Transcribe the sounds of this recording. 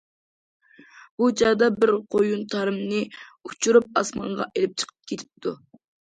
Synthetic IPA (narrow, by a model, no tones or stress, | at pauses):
b̥ut͡ʃɑd̪ɑbɪɾqʰojunt̪ʰɑɾɨmnɨut͡ʃʰuɾup̚ɑsmɑ̰ɴʁɑ̰ʔelɪp̚t͡ʃʰə̥qʰə̥p̚kʲʰet̪ʰɪ̥p̚t̪ʰu